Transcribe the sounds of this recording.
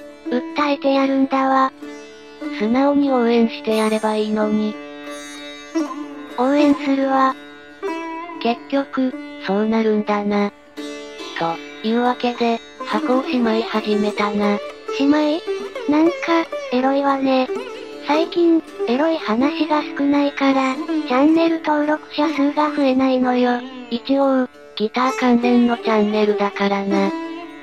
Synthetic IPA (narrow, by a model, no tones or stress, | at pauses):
ɯ̟t̪ːait̪e̞jaɾɯ̟̃nd̪aβa | sɨnaoɲ̟iõ̞ːẽ̞ɰ̃ɕi̥t̪e̞jaɾe̞baiːno̞ɲ̟i | õːẽ̞ɰ̃sɨɾɯ̟βa | ke̞kʲːo̞kɯ̟so̞ːnaɾɯ̟̃nd̪ana | t̪oiːβake̞d̪e̞ | hakoːɕimaihaʑime̞t̪anaɕimainãŋkae̞ɾo̞iβane̞ | saikʲĩɰ | e̞ɾo̞ihanaɕiɡasɨ̥kɯ̟naikaɾat͡ɕãnːe̞ɾɯ̟t̪o̞ːɾo̞kɯ̟̥ɕasɨːɡaɸɯ̟e̞naino̞joit͡ɕio | ɡ̥ʲit̪aːkãnzẽ̞nːo̞t͡ɕãnːe̞ɾɯ̟d̪akaɾana